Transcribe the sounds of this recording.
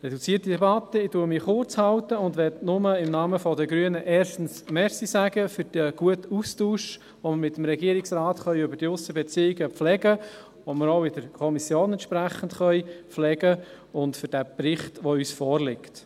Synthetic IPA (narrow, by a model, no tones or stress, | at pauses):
rɛdut͡siːətidɛbɑtːəɪtuəmɪχʊrt͡shɑwtəʊndʋɛtnʊməɪmnɑːməfɔdəɡɾyənəʔɛːrʃtn̩smɛɾsisæɡ̥əfʏɾd̥iəɡ̥uətustuːʃ | ʋoməɾmɪt̪əmɾɛɡiəɾɪksraːtχœʏʏbəɾd̥iʊsəbɛt͡siːiɡəflɛɡə | ʋoməɾoʊɪdəɾkʰɔmisjoːnɛntʃpɾæχən̩dχœʏpflɛɡə | ʊndfʏɾd̥ɛprɪχtʋoyːsfɔːrlɪkt